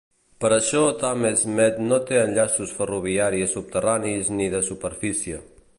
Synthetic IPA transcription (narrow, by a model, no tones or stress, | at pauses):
pəɾəʃɔt̪amezmɛt̪not̪eənʎasusfəruβ̞iaɾiəsup̚t̪əranizniðəsupəɾfisiə